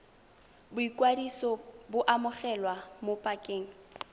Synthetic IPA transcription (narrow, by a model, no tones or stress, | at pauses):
bʊikʼwadisɔbʊʔamʊχɛlwamopʼakʼeːŋ̩